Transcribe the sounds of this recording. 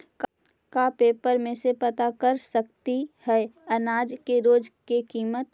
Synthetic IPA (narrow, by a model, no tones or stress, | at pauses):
k | kapeːpəɾmẽsepɐt̪akəɾsək̚t̪ihɛːɐnaːd͡ʒkeɾoːd͡ʒkekiːmət̪